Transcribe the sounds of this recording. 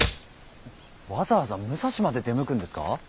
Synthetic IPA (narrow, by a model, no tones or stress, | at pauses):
βazaːβazamɯ̟saɕimad̪e̞d̪e̞mɯ̟kɯ̟̃nd̪e̞sɨ̥ka̰